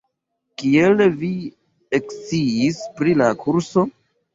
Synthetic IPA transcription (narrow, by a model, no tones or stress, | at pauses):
kielvi | ekt͡siːspɾilakʰuɾso̞